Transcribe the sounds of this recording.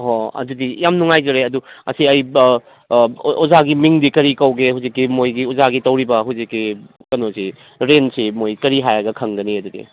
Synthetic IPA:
ɦoɐ̰dudijamnuŋajd͡ʒɐɾeɐduɐsiɐj | ɔzaɡimiŋdikɐɾikɐwɡehuwzikːimojɡiuzaɡitɐwɾibɐɦuzikːi | kɐnosi | ɾensimojkɐɾiɦajɐɡɐkʰɐŋɡɐniɐdudḭ

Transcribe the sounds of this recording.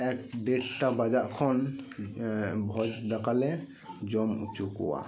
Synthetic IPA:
ɛk̚ɖeʈʰtabazaʔkʰɔn | bʱɔd͡ʒdakalɛ | d͡ʒɔmut͡ʃukɔ̰wa̰

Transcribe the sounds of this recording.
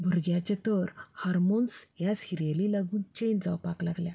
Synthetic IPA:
bʱəɾɡjat͡ɕet̪əɾhaɾmonsjasiɾjalilaɡuːnt͡ɕend͡zawpaklaɡlja

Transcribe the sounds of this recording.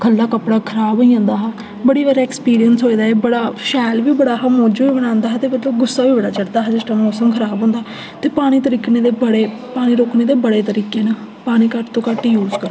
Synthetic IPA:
kʰəlːaːkəpɽaːkʰəɾaːboiãːnd̪aːɦaː | bəɽiːʋəɾɛːkspiːɾijənsɦoːiːd̪aːeːbəɽaːʃɛːlʋiːbəɽaːɦamoːd͡ʒoːiːbəɽ̃ãːnd̪aːɦːt̪eːmət̪ləbɡʊsːaːʋiːbəɽaːt͡ʃəɽd̪aːɦad͡ʒɪsʈaːmoːsəmkʰəɾaːbɦõːnd̪aː | t̪eːpaːɽ̃iːt̪əɾiːkneːd̪eːbəɽeː | paːɽ̃ĩːɾoːkneːd̪eːbəɽeːt̪əɾiːkeːnaː | paːɽ̃iːkəʈt̪õːkaʈːiːjuːzkəɾ

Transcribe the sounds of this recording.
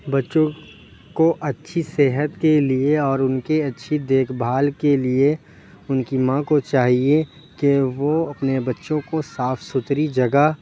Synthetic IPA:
bɐtːʃõ | koʔɐtːʃʰiseɦət̪kelieɔːɾʊnkeɐtːʃʰid̪eːkʰbʱaːlkelie | ʊnkimãkot͡ʃaːɦie | keʋoɐpnebɐtːʃõkosaːfʰsʊt̪ɾid͡ʒɐɡə

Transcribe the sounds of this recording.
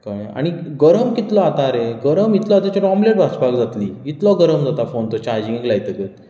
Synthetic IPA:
kaa̰ɽ̃iɡəɾəmkit̪lɔat̪aɾeɡəɾəmit̪lɔat̪at͡ɕɔʈɔmleʈbʱat͡spakd͡zat̪liːit̪lɔɡəɾəmd͡zat̪afont̪ɔt͡ɕaɾd͡ʑĩŋeklajt̪əkət̪̚

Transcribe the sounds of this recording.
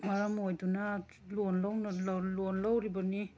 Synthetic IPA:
maɾamojduna | lonlawnalalonlawɾibani

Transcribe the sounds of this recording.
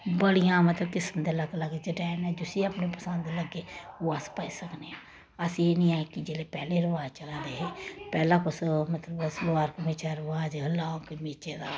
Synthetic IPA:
bəɽijãːmət̪ləbkɪsmd̪eːləɡləɡd͡ʒeʈɛːnɛ̃ːd͡ʒʊsiəpneːpəsə̃nd̪ləɡːeːoːəspəːisəkneːãː | əsieːnĩːaːekɪd͡ʒeːleːpɛːleːɾəʋaːd͡ʒt͡ʃəlãːd̪eːɦeːpɛːlãːkʊsmət̪ləbsloaːɾkəmiːt͡ʃaɾəʋaːd͡ʒlaːkəmiːt͡ʃeːd̪a̰ː

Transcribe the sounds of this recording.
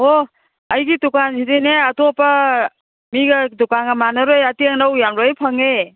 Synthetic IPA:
o | ɐjɡitukanzideneatopɐ | miɡɐdukanɡɐmanɔɾojatiaŋnawjamɾojpʰaŋe

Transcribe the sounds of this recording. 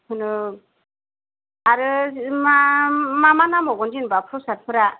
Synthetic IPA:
hʰɯnɯ | aɾɯmamamanamɔɡɔnd͡ʒinbapʰɾɔsaɾpʰɯɾa

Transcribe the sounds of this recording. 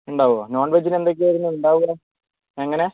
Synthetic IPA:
uɳɖaːʋono̞ːɳʋɐd͡ʑine̞nd̪o̞k̬ʲːɨʋɐɾunːuuɳɖaːʋuɣɐ | eŋːɐne̞

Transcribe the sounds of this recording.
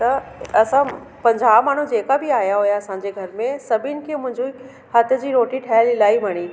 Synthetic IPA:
t̪ɐɐsã | pɐ̃ɲd͡ʑaːʋmaːɳ̤ũd͡ʑeːkabɪaːjaɦujaɐsãːɲd͡ʑeɡʱɐɾmẽsɐbʱɪnɪ̆kʰeːmʊ̃ɦɪ̃ɲd͡ʑoi | hat̪ʰjəd͡ʑiːɾoːʈiʈʰaːlɪlaːiʋɐɽ̃i

